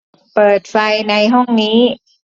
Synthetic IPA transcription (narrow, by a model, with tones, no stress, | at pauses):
pɤː˨˩t̪̚fa˧jna˧jɦɔ˥˩ŋniː˦˥